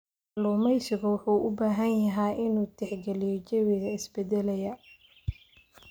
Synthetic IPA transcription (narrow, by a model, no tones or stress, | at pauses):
luːmɛjsɪɣʊwʊħuːʔʊbaːɦɐnjɐɦɛjʔɪnuːt̪ʰɛħɡɛlɪjɔt͡ʃɛwɪðɐɪsbɛd̪ɛlɛjɐ